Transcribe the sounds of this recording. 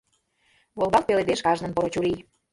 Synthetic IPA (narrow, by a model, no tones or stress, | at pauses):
βolˠd̪ɑl̚peled̪eʃkɑʒnə̆npoɾot͡ɕuɾi